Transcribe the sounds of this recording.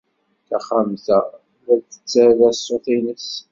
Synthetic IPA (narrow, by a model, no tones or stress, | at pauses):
θæχamθæ | ðæθə̥t͡sːæðæsːoθinəs